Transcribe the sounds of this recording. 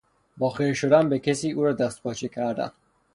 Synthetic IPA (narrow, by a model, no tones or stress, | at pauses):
bɒːxeɾʃod̪ænbekʰesiːuːɾɒːd̪æst̪̚pʰɒːt͡ʃʰikʰæɾd̪æ̰n